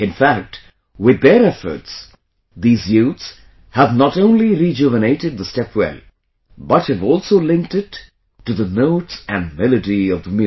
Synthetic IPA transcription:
ɨ̃nfæk̚t | wɪðːəɾɛfə̰˞ts | ðiːzjuts | hævnəɾõʊ̃nliɾid͡ʒuvəneɪɾɨd̪̚ðəstɛpwɛ̰l | bʌt̚hɨvɔlˠsoʊlɪ̃ŋk̚tɪː | ɨðənoʊtsɨ̃nmɪlɨdiʌvðəmjʉ

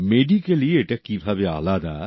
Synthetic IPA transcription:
meːɖikelieʈɐkːibʱabea̰ːlaːd̪aː

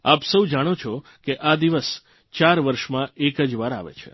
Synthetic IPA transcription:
apsəwd͡ʒaɽ̃ot͡ʃʰokeʔad̪iʋəs | t͡ʃaɾʋəɾʃmãekəd͡ʒʋaɾa̰ʋḛt͡ʃʰḛ

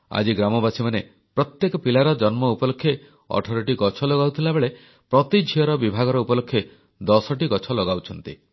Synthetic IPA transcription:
a̰d͡ʒiɡɾamɔbasimane | pɾɔt̪jekɔpilaɾɔd͡ʒɔnmɔupɔlokʰːje | ɔ̰ʈʰɔɾɔʈiɡɔt͡ʃʰɔlɔɡawt̪ʰilabeɭe | pɾɔt̪id͡ʒʱiɔɾɔbibʱaɡɔɾɔupɔlokʰːje | d̪ɔsɔʈiɡɔt͡ʃʰɔlɔɡawt͡ʃʰɔnt̪ḭ

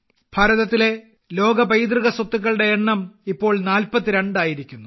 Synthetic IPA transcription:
bʱɐːɾɐðɐt̪ːile̞ | lo̞ːɡɐbɐjd̪rɨɣɐswot̪ːuk̬ːɐɭɽe̞eɳːɐmipːo̞ːɭnaːlpɐt̪ːɨɾeɳɖaːjiɾikʲːunːu

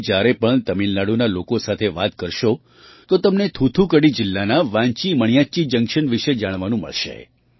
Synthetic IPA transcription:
d͡ʒjaɾepəɳt̪əminlaɽunalokosat̪ʰeʋat̪kəɾʃo | t̪ot̪əmnet̪ʰut̪ʰukəɽid͡ʒɪlːanaʋãɲt͡ʃiməɳ̃jat͡ʃid͡ʒə̃ŋkʃənʋiʃed͡ʒaɽ̃ʋanũmə̰ɭʃḛ

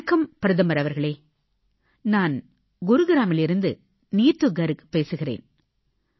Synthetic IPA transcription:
kːɐmpɪɾɐðɐmɐɾɐʋɐɾɣɐɭeː | naːn | ɡʊɾɯɡɪɾaːmɪlɪɾɯnd̪ɯ | niːt̪ːɯɡɐɾɯpeːsɯɣɪrḛːn

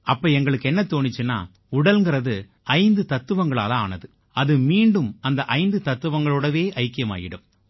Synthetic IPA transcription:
ʔɐpːɐːɛŋɡɐɭɯkːɛnːɐt̪oːnɪt͡ʃːɯnːa̰ː | ʊɽɐlŋɡɪrɐðɯ | ɐɪnd̪ɯt̪ɐt̪ːɯʋɐŋɡɐɭa̰ːlɐa̰ːnɐðɯ | ɐðɯmiːɳɖɯmɐnd̪ɐʔɐɪnd̪ɯt̪ɐt̪ːɯʋɐŋɡɐɭoːɽɐʋeːʔɐɪkːɪjɐma̰ːɣɪɽɯm

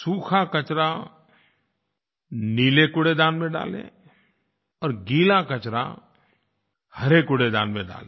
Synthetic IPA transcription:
suːkʰakɐt͡ʃɾa | niːlekʊɽed̪aːnmẽɖa̰ːlḛ̃ | ɔːɾɡiːlakət͡ʃɾa̰ | hɐɾekʊɽed̪a̰ːnmẽɖa̰ːle

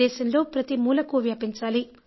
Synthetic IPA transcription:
ɛːʃɐnlo̞ːpɾɐt̪imuːlɐkuʋjaːpiɲt͡ʃaːli

